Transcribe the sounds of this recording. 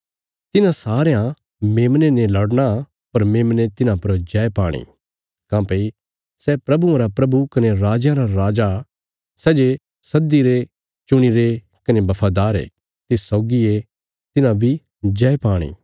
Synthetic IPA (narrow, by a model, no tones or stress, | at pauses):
t̪ɪnãsaːɾejã | meːmnenelɐɽña | pɐɾmeːmnet̪ɪnãpɐɾd͡ʒɛepaːɽ̃ḭː | kãːpei | sɛpɾɐbuɐɾapɾɐbukɐneɾaːd͡ʒjãɾaɾaːd͡ʒa | sɛːd͡ʒe | sɐd̪iɾe | t͡ʃʊɽ̃iɾe | kɐnebɐpʰaːd̪aːɾḛ | t̪esɔːɡie | t̪ɪnãbʱi | d͡ʒɛepaːɽ̃ḭː